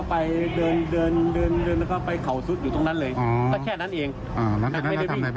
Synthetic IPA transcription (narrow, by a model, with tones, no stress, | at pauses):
pa˧jdɤː˧ndɤː˧ndɤː˧ndɤː˧n˧kʰaː˥˩pa˧jkʰa˨˩˦wsu˦t̪̚juː˨˩o˧ŋna˦˥nlɤː˧jkɔː˥˩kʰɛː˥˩na˦˥˩nʔeː˧ŋ | ʔaː˨˩na˦˥˩a˨˩ma˥˩˨a˧i˥˧˩